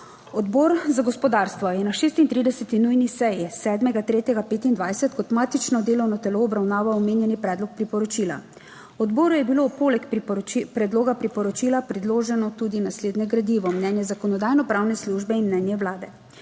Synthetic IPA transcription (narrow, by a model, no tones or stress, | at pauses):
ɔd̪bɔɾzaɡɔspɔd̪aɾst̪ʋɔjɛnaʃeːst̪int̪ɾiːd̪ɛsɛt̪inujnisɛjisɛːd̪mɛɡat̪ɾeːt̪jɛɡapeːt̪ind̪ʋajsɛt̪kɔt̪maːt̪it͡ʃnɔd̪eːlɔwnɔt̪ɛloːbɾawnaːʋaɔmeːnjɛnipɾɛːd̪lɔk̚pɾipɔɾɔt͡ʃila̰ | ɔd̪bɔːɾujɛbilowpoːlɛkppɾɛd̪loːɡapɾipɔɾɔt͡ʃilapɾɛd̪loːʒɛnɔt̪ud̪inasleːd̪nɛɡɾad̪iːʋɔmnɛnjɛzakɔnɔd̪aːjnɔpɾaːwnɛsluʒbɛinmnɛnjɛwlaːd̪ɛ